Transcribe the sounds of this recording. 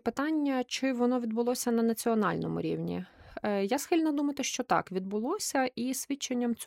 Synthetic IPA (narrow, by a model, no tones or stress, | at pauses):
pɪt̪ɑnʲːɐt͡ʃɪʋɔnɔʋʲid̪bʊlˠɔsʲɐnɐnɐt͡sʲiɔnɑ̰lʲnɔ̰mʊ̰ɾʲḭwnʲḭjasxɪlʲnɐd̪umɐt̪ɪʃt͡ʃɔt̪ɑ̰kʋʲid̪bʊlˠɔsʲɐisʲʋʲit͡ʃːenʲːɐmt͡sʲ